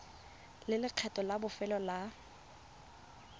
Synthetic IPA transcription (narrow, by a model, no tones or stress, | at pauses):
lɪlɪq͡χʰɛtʼɔlabʊfɛlɔla